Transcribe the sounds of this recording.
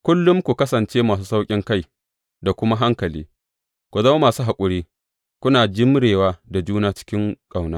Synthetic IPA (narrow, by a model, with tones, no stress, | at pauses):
kʷʊ˦lːʊ˦mkʷu˨kɐ˦sɐ˨nt͡ʃeː˦maː˨s̬uː˦sa˦wkʲʼɪ˦ŋka˦j | da˨kʷʊ˦ma˦ɦa˦ŋkɐ˨lḭː˦ | kʷu˨zɐ˦ma˦maː˨suː˦ɦa˨kʷʼʊ˨ɽiː˦ | kʷʊ˦naː˨d͡ʒɪ˦m˦ɽeː˨waː˦da˨d͡ʒuː˦naː˦t͡ʃɪ̥˦kʲɪ˦ŋkʼa˨wnaː˦